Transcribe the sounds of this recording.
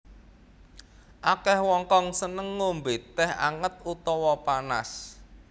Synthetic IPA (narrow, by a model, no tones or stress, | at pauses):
ʔakɛhwɔŋkɔŋsənəŋːombet̪ːɛha̰ŋət̪̚ut̪ɔwɔpana̰s